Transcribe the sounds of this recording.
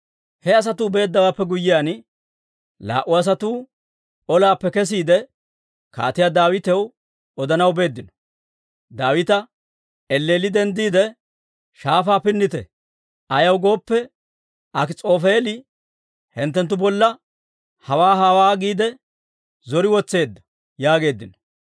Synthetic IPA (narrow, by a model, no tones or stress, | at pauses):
hɛɐs̬ɐt̪uːbe̞ːd̪ːɐwaːpːɛɡʊjːɪjaːn | la̰ːʔʊɐs̬ɐt̪uː | ɔlaːpːɛkɛs̬iːd̪ɛ | ka̰ːt̪ɪjaːd̪aːwɪt̪ɛw | ɔd̪ɐnɐwbe̞ːd̪ːɪnɔ̥ | d̪aːwɪt̪ɐ | ɛlːeːlɪd̪ɛnd̪iːd̪ɛ | ʃaːfaːpɪnːɪt̪ɛ | ɐjɐwɡo̞ːpːɛ | ɐkɪt͡sʼo̞ːfeːlɪ | hɛnt̪ːɛnt̪̬ːʊbɔlːɐ | hɐwaːɦawaːɡiːd̪ɛ | zɔɾɪwɔt͡sːe̞ːd̪ːɐ̥ | jaːɡe̞ːd̪ːɪnɔ̥